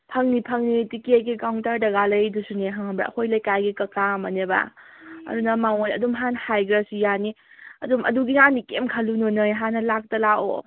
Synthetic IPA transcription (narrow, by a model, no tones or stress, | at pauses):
pʰɐŋnipʰəŋnitikieɡiɡawŋtaɾdɐɡalɐjdusuneɦaŋbɾa̰kʰojlajkajɡikɐkamaneba̰ɐ̰ɾunamawajɐdumɦanhajɡɾasujani | ɐdumɐ̰duɡinanikemkʰəlununɯjɦanɐlak̚tɐlaʔo̰